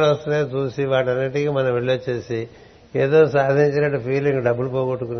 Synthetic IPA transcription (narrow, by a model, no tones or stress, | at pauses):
lɐst̪uneːt͡ʃuːsiʋaːʈɐnːiʈikimɐnɐmʋeɭːot͡ʃːe̞ːsi | eːd̪o̞ːsaːd̪ʱiɲt͡ʃinɐʈːupʰiːliŋɡɖɐbːulupoːɡoʈːukun